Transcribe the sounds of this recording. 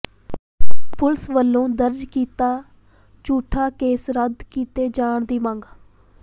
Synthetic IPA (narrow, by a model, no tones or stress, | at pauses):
pʊlsʋəlːõːd̪əɾd͡ʒkiːt̪aː | t͡ʃuːʈʰaːkeːsɾəd̪kiːt̪eːd͡ʒaːɳd̪iːmãːŋɡaː